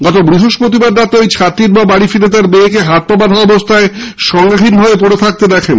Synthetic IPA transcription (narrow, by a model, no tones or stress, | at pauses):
ɡɔt̪obɾiɦoʃpɾot̪ibaɖɾat̪ojt͡ɕʰat̪iɾbabaɽifilet̪̬aɾbeekeɦat̪̚pabaɾɦaɔbost̪ʰaeʃɔŋɡaɦinbʱabepoɽet̪ʰak̚t̪ed̪ɛkʰen